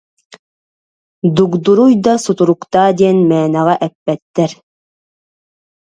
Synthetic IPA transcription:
d̪ukd̪uɾujd̪asut̪uɾukt̪aːd̪iɛnmɛːnɛʁaʔɛpːɛt̪ːɛɾ

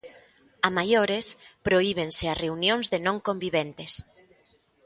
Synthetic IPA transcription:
amajoɾespɾoiβ̞enseareunjõnzðenõŋkõmbiβent̪es

